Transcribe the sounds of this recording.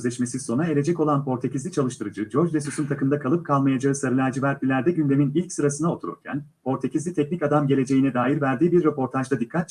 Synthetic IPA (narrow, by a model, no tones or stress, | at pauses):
zlʲɛʃmesiso̞nae̞lʲe̞d͡ʒɛco̞lˠanpʰo̞ɾt̪ʰe̞cizlʲit͡ʃʰalˠɯʃt̪ɯɾɯd͡ʒɯd͡ʒo̞ɾd͡ʒlʲɛsusunt̪ʰakʰɯmd̪akʰalˠɯp̚kʰalˠmajad͡ʒaɯsaɾɯlʲæɾd͡ʒivæɾt̪lʲilʲæɾd̪ɛɟynd̪e̞minilʲcsɯɾasɯnao̞t̪ʰuɾṵɾcʰæ̰npʰo̞ɾt̪ʰecizlʲit̪ʰɛc̚nicad̪amɟe̞lʲe̞d͡ʒe̞jinɛd̪aːjiɾvæɾd̪iːbiɾːepʰo̞ɾt̪ʰaʒd̪ad̪ikʰːat̪t͡ʃ